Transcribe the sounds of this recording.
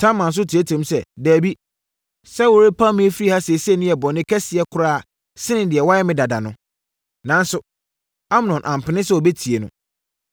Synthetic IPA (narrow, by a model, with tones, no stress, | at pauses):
tʰã˦mã˨n̩˨s̬ʊ˦tʰi˨e˦tʰɛ̃˨msɛ˨dæː˨bi˦ | sɛ˦wo˨ɾe˦pʰa˦mĩ˦e˦fi˦ɾi˦ha˦sɪ˨e˨se˦nɪ̃˦ɛ˨bɔ˨nɪ̃˦kʰɛ˦sɪ˨ɛ˦kʰʊ˦ɾaː˦˨ | sɪ˦nɪ̃˨dɪ˨ɛ˨wa˦ɛ˦mɪ̃˦da˨da˨nʊ̃˦ | nã˨n˦sʊ˨ | a˦m˨nɔ̃˨nʔã˨m˨pɪ˨nɪ̃˦sɛ˦o˨be˦tʰi˨e˨nʊ̃˦